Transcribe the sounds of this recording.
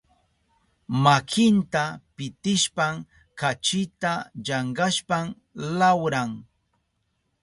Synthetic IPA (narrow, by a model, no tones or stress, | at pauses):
makʰɪnt̪apɪt̪ɪʃpam | kat͡ʃɪt̪aʎɑɴɢaʃpam | lawɾaŋ